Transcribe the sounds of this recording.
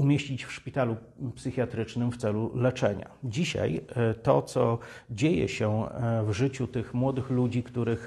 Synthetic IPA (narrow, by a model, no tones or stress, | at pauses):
umʲjeɕt͡ɕit͡ɕfʂpʲit̪alu | psɘxʲjat̪ɾɘt͡ʂnɘmft̪sɛlulɛt͡ʂɛ̰ɲa̰d͡ʑiɕa̰jt̪ɔt̪sɔd͡ʑejɛ̰ɕɛvʐɘt͡ɕut̪ɘxmwɔd̪ɘxlud͡ʑikt̪uɾɘx